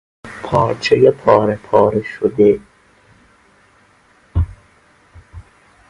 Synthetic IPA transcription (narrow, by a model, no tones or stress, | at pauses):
pʰɒːɾt͡ʃʰejepʰɒːɾepʰɒːɾeʃod̪e